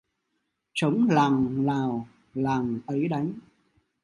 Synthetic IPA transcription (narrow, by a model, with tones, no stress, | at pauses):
t͡ɕə˨˦wŋ͡mlaː˨˩ŋlaː˨˩w | laː˨˩ŋt̪ə˨˦jɗa˨˦jŋ̟